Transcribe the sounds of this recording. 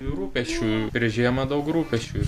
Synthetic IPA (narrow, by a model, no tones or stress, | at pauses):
ɾuːpʲɛʃʲt͡ʃʲuːpʲɾʲiɛʒʲiɛmɐd̪ɐʊkɾuːpʲɛʃʲt͡ʃʲuː